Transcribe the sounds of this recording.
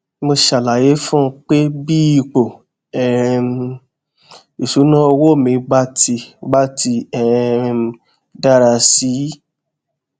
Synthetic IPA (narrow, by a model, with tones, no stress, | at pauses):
mo˧ʃa˨la˨je˨˦fũ˦˧k͡pe˦bi˦i˧k͡po˨ | ɛ˨ | i˨su˨˦nã˦˧wo˦˨mĩ˧ɡ͡ba˦ti˧ɡ͡ba˦ti˧ɛ˨ | da˦ɾa˧si˨˦